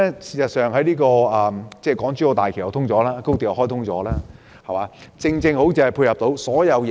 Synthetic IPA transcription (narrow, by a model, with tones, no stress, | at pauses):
ɛ˥siː˨˩sɐ˨t̚sœː˨˩ŋɦɐ˨˥jniː˥kɔː˧ɐː˨˩t͡sɛː˥˩kɔː˨˥ŋt͡ʃyː˥o˧t̪aː˨jkʰjɐ˨˧wt̪ʰʊ˥ŋt͡sɔː˨˥laː˥kwt̪iː˨˩ja˨˧hɔ˥jt̪ʰʊ˥ŋt͡sɔː˨˧˥laː˥ | hɐ˨˩waː˨˧t͡sɪ˧ŋt͡sɪ˧ŋho˨˥wt͡si˨˩hɐ˨jpʰuː˧jhɐ˨p̚t̪o˨˥wsɔː˨˥jɐ˨˧wj